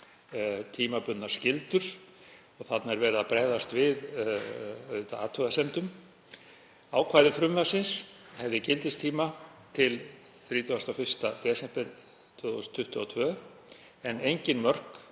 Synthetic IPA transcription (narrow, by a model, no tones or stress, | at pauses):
t̪ʰiːmapʏt̪nḁscɪlt̪ʏɾ̥ | ɔɣθat̪naɛɾvɛːɾðapɾɛːðast̪vɪð | œɥðt̪a̰aːt̪ʰœɣasɛmt̪ʏm | aːwkʰvaːjðɪfɾʏmvasɪns | hɛvðɪcɪlt̪ɪst̪ʰiːmat̪ʰɪl | θɾiːt̪ʏast̪awfɪr̥st̪at̪jɛːsɛpɛn | t̪ʰv̥ʏːθst̪ʰːʏht̪ʏɔt̪ʰvœː | ɛnejɲcɪnmœr̥k